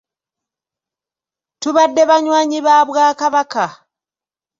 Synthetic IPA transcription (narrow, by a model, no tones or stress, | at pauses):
tuβadːeβaɲwaːɲiβaːβwaːkaβaka